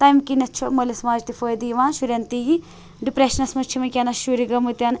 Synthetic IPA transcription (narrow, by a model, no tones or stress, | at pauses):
t̪ɐjmkinɐt͡ʃʰomolesɐmaːd͡ʒt̪ifʰoːjd̪ijʋãːnʃuɾʲɐnt̪iji | ɖipɾeʃɐnɐsmɐt͡ʃʰimɐkʲɐnɐʃuɾiɡɐmut̪ʲɐn